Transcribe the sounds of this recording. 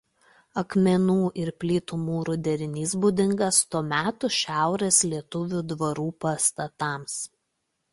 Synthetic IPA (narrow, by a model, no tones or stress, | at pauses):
ɐkmʲɛnuːʔɪɾpʲlʲiːt̪ʊmuːɾʊd̪ʲɛɾʲɪnʲiːsbʊd̪ʲɪŋɡɐst̪uɔmʲæːt̪ʊʃʲæˑʊɾʲeslʲiɛt̪ʊʋʲud̪ʋɐɾuːpɐst̪ɐt̪ɑˑms